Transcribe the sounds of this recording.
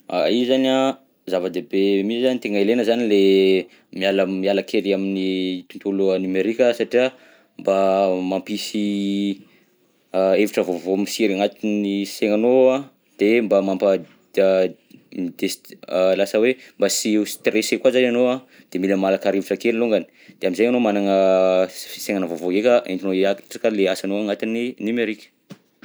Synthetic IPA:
a̰izana | zavəd̪ebemisizanit̪eŋaelenəzanile | mialamialakʰelaminit̪unt̪uluanimeɾikʲəsaʈ͡ʂia | mbamampisi | eviʈ͡ʂəvovomisiɾaŋat̪iiseŋanoa | d̪̥embamampə | mid̪̥eslasəwembasist̪resekwazananoa | d̪̥emiləmalakaɾeviʈ͡ʂəkeliloŋɡani̥ | d̪̥eaminzejŋanomanaŋə | seŋanavovoɡekʲəʔḛnt̪inoiakʈ͡ʂakəleasanoaŋat̪ininimeɾikʲə̥

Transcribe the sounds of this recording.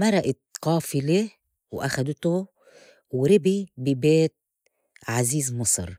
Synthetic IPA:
mɑɾˤɑʔɪt̪qɑːfɪle | wʔaxad̪t̪ʊ | wɾɪbibɪbeːt̪̚ | ʕaziːzmɑsˤɾˤ

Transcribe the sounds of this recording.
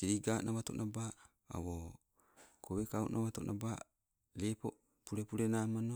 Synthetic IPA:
kiɾiɡaːnʔaβat̪oʔnaba̰ː | wo | koβekaṵnʔaβat̪onʔaba | lepo | puɾepuɾenamano

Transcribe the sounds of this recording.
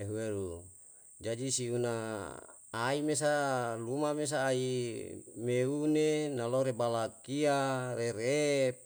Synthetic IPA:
eɦuweɾu | d͡ʒad͡ʒisiunaː | imes̬alumames̬aːi | meunenaloɾebalakiaɾeɾep̚

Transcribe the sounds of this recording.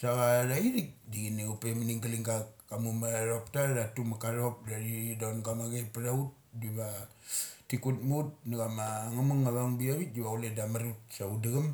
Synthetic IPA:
saɡaɾaiɾik̚diɡineupemaniŋɡaliŋɡakamumaɾoptaɾatumakaɾop̚daɾidonɡamaɡepaɾaut̚diβa | tikut̚mut̚naɡamaŋamaŋːaβaŋbiaβit̚diβauledamaɾut̚saudaɡam

